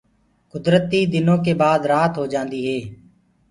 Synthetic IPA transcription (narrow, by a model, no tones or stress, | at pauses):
kʊd̪ɾət̪iːd̪ɪnõːk̬eːbaːd̪ɾaːt̪ʰɦoːd͡ʒãːnd̪iːɦeː